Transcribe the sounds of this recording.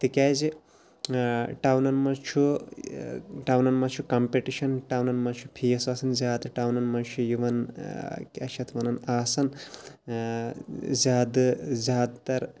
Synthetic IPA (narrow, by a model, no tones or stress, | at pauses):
t̪ikʲaːzi | ʈawnɐnmɐt͡ʃʰu | ʈawnɐnmɐt͡ʃʰukɐmpeʈiʃɐnʈawnɐnmɐt͡ʃʰu̥pʰijɐsaːsɐnzʲaːd̪ʈawnɐnmɐnt͡ʃʰujuʋɐn | kʲɐʃʰɐt̪ʋɐnɐnaːsɐn | zʲaːd̪ɨzʲaːd̪t̪ɐɾ